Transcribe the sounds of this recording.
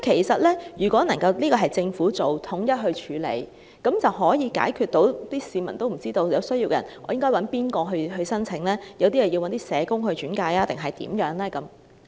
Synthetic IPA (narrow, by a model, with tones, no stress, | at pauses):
kʰe˨˩jsɐ˨t̚lɛː˥jyː˨˩kʷɔː˨˥nɐ˨˩ŋkɐ˧wliː˥kɔː˧ɦɐ˨jt͡sɪ˧ŋfuː˨˥t͡so˨wt̪ʰʊ˨˥ŋjɐ˥t̚ɦɵ˧ɥt͡ʃʰyː˨˧lḛ˨˧j | kɐ˨˥mt͡sɐ˨wɦɔː˨˥jiː˨˧ka̰ː˨˥jkʰyː˧t̚t̪o˨˧˥wt̪iː˥siː˨˧mɐ̰˨˩nt̪o˥wm̩˨˩t͡siː˥t̪o˧wjɐ˨˧wsɵ˥ɥjiː˧wkɛ˧jɐ̰˨˩nɔː˨˧jɪ˥ŋkɔː˥wɐ˨˥npiː˥nkɔː˧ɦɵ˧ɥɦɵ˧sɐ˥nt͡sʰɪ˧˥ŋlɛː˥jɐ˨˧wt̪iː˥jɐ˨˩ji˧wɐ˧nt̪iː˥sɛː˨˧kʊ˥ŋɦɵ˧t͡ʃyː˨˥nkaː˧jaː˥t̪ɪ˨ŋɦɐ˨jt̪ḭː˨˥mjœː˨˥ŋlɛː˥kɐ˨˥m